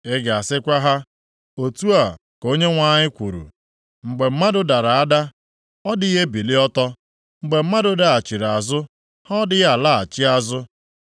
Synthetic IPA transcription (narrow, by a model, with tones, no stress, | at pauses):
ɪ˦ɡa˨sɪ˦kʷa˦ɦa˦ | o˨tu˦a˨ | ko˦ɲe˦ŋʷa˦ɲɪ˦kʷu˨ɾṵ˨ | ŋ͡m̩˨ɡ͡be˨m̩˦ma˦dʊ˦da˨ɾa˨a˦da˦ | ɔ˦dɪ˦ɦe˦bi˨li˦ɔ˦tɔ˦ | ŋ͡m̩˨ɡ͡be˨m̩˦ma˦dʊ˦da˦a˨t͡ʃi˨ɾa˨zʊ˦ | hɔ˦dɪ˦ja˦˨la˦a̰˨t͡ʃɪ˦a˦zʊ˦